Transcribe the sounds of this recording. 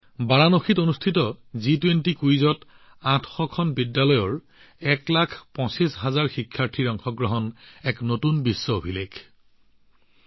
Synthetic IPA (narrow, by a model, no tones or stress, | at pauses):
baɹanoxitonustʰitɔzitwentikujzɔt | atʰxɔkʰɔnbidjalɔjɔɹ | ɛklakʰpɔ̃sisɦazaɹxikʰːaɹtʰiɹɔŋxʰɔɡɹɔɦɔnɛknotunbisːɔobʱilekʰ